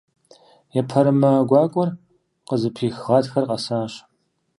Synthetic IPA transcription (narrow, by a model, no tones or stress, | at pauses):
jɛpʰɐɾɨmɐɡʷɑːkʷʼɔr | qəzɨpʰiːxʁɑːtxɐrqʼɐsaːɕ